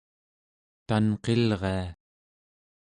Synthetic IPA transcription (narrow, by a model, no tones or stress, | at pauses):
t̪anqelʁea